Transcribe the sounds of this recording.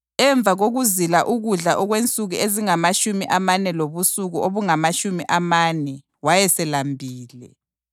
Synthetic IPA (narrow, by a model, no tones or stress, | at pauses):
ɛɱb̪vʱaɣoɣuzilaʔuɣuɮaʔɔɣwent͡sʼuɣueziŋamaʃumiʔamanɛloβusuɣuʔoβuŋamaʃumiʔamanɛ | wajɛsɛlambʱiːlɛ̰